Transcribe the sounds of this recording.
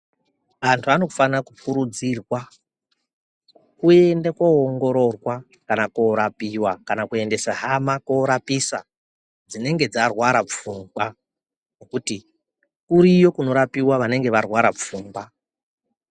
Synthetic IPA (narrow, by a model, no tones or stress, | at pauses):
ʋantʰuano̞kufanakukuɾud͡zirwa | kue̞ndekwooŋɡo̞ɾo̞rwa | kanakoɾapiwakanakue̞nde̞saɦamakoɾapisa̰ | d͡zine̞ŋɡe̞d͡zarwaɾap͡fuːmɡa | nokuti | kuɾijo̞kuno̞ɾapiwaʋane̞ŋɡe̞ʋarwaɾap͡fuːmba